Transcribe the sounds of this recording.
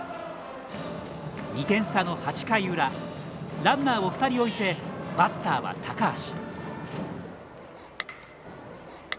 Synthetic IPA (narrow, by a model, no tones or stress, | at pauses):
ɲʲit̪ẽ̞ɰ̃sano̞hat͡ɕi̥kaiɯ̟ɾa | ɾãnːaːo̞ɸɯ̥t̪aɾʲio̞it̪e̞bat̪ːaːβa̰t̪ʰakaːɕi̥